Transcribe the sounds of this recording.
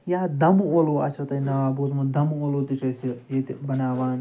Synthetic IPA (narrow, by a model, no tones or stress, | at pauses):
jaːd̪ɐmuoloːɐt͡ʃʰɐt̪ɐnaaːboːzmud̪ɐmoːloːt̪it͡ʃʰɐsiet̪bɐnaːʋaːn